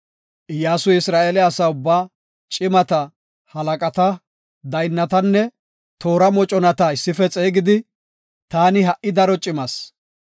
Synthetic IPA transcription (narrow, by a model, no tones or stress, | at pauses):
ʔjaːsʊɪsɾaːʔeːlɛɐsɐʊbːaː | t͡ʃʼɪmɐt̪ɐ | hɐlɐkʼɐt̪ɐ | d̪ɐjnːɐt̪ɐnːɛ | t̪o̞ːɾɐmɔt͡ʃʼɔnɐt̪ɐɪsːɪfɛt͡sʼe̞ːɡɪd̪ɪ | t̪aːnɪɦɐʔɪd̪ɐɾɔt͡ʃʼɪmɐs